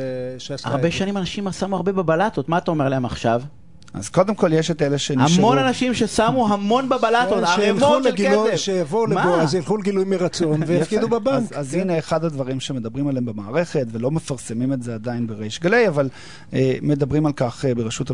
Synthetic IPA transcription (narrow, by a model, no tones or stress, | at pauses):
ʃa̰ʁbeʃanimanaʃimasamuaʁbebabalat̪otmaːtao̞me̞laemaχʃav | ʔa̰zko̞d̪emko̞ljeʃeteleʃenamo̞nanaʃimʃesamuɦamo̞nbabalatotaʁemolɡkesevʃejavoulemaoazjilχuleɡilujmeʁat͡so̞nvejafkidubebazazineːχadhadvaʁimʃeme̞d̪abʁimaleembemaːʁe̞χe̞tvelo̞mefaʁsemimetzeadajinbeʁejʃɡalejaval | eme̞dabʁimalkaχebeʁeʃut